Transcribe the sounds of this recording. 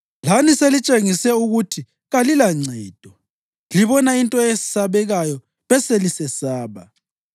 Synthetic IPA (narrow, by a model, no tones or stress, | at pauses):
laniselit͡ʃʼeŋisɛuɣutʰi | ɣalilaŋ͡ǀɛːd̥ʱɔ | liβɔnaintʼɔesi̥saβɛɣajɔ | βɛselisɛsaːβa̰